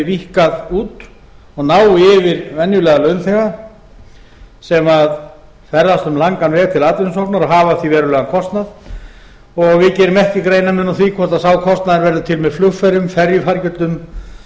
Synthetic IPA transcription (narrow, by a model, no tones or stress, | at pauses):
vihkaðuːt̪ | ɔɣnaːwɪɪvɪɾvɛnjʏlɛːɣalœɥnθɛɣa | sɛmað | fɛɾðast̪ʏmlaŋkanvɛːɣt̪ʰɪlaːt̪lɪnsɔwhpnaɾaɦaːvaθivɛːɾʏlɛːɣankʰɔst̪nað | ɔɣvɪðcɛːɾʏmɛhcɪkɾeːjnamɛnːuθikʰɔr̥t̪asaːwkʰɔst̪naðɪɾvɛɾðʏt̪ʰɪlmɛðflʏfaɾʏmfɛɾjʏfaɾcʏt̪lʏm